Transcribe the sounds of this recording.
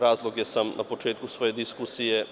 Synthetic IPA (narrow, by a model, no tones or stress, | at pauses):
ɾaːzlˠo̞ɡjesamna̰po̞t͡ʃeːt̪̚kusʋo̞ːje̞d̪iskusije